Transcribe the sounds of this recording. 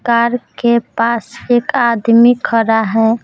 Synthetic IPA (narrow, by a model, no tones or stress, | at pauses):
kaɾkeppasekad̪mikʰəɾaɦɛ̃